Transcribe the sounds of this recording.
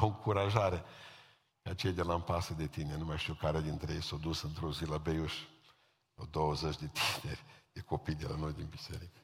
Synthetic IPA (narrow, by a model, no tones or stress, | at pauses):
ɨŋkuɾaʒaɾe | kat͡ʃejd̪elaɨmpasəd̪et̪inenumajaʃt̪iukaɾead̪int̪ɾejejsawd̪usɨnt̪ɾozilabejuʃ | a̰d̪owəzet͡ʃd̪e̞t̪ʰineɾʲd̪̥eko̞pijd̪ela̰no̞jd̪inbise̞̰ɾikə̥